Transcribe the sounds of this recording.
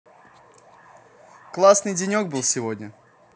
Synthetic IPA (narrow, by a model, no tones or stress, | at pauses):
klˠasnɨjdʲɪnʲoɡ̚bɨlˠsʲɪvodʲnʲə